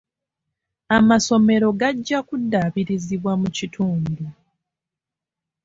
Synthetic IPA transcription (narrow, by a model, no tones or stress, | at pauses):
amaso̞me̞ɾo̞ɡaɟːakudːaβiɾiziβwamucitʰuːndu